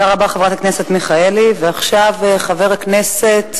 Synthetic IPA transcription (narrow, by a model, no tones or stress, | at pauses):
aʁabaχevʁat̪akneset̪miχaeliveaχʃaveχaveʁhaknese̞t̪